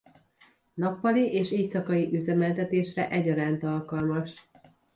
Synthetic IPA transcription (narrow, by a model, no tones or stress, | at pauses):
nɒpːɒliʔeːʃeːcsɒkɒjiʔyzɛmɛlt̪ɛt̪eːʃrɛʔɛɟɒɾaːnt̪ɒlkɒlmɒʃ